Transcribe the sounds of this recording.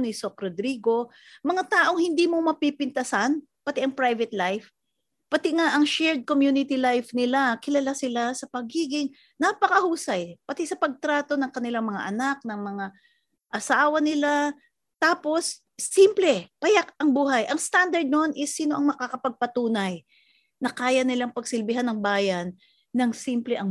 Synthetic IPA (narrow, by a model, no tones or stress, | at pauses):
nɪsok̚ɾod̪ɾiːɡo̞ | mɐŋat̪aːʔo̞ŋhɪnd̪iːmo̞mɐpipɪnt̪ɐsan | pɐt̪ɛʔɐŋpɾajvɛt̪lajf | pɐt̪ɪŋaʔɐŋʃɛɹd̪̚komjuːnɪt̪ilajfnɪlakɪlɐlasɪlasɐpɐɡiːɡɪŋ | napɐkɐhuːsɐjpɐt̪ɛsɐpɐɡ̚t̪ɾaːt̪o̞nɐŋkɐnɪlaŋmɐŋa̰ʔɐnak̚nɐŋmɐŋa | ʔɐsaːwɐnɪla | t̪aːpo̞sː | implɛpɐjak̚ʔɐŋbuːɦɐjʔɐŋst̪and̪ɐɹd̪̚nonʔɪsːiːno̞ʔɐŋmɐkakɐpɐɡ̚pɐt̪uːnɐj | nɐkaːjɐnɪlaŋpɐɡsɪlbɪɦanːɐŋbaːjɐnː | ɐŋsimplɛʔɐŋ